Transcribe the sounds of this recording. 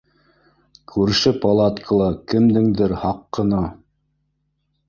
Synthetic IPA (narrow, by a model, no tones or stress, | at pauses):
kʰʉɾʃɘpolˠat̪kʰəlˠɑkɘ̆md̪ɘŋd̪ɘɾhɑqːɤ̆nɑ